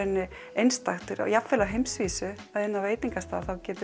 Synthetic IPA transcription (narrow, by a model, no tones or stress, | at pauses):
ɪnːɪ | ejnst̪axt̪ɪɾa̰japfɛːlaɦejmsviːsʏaðɪnːaveːjt̪iŋkast̪a̰ðθawcɛːt̪ɪ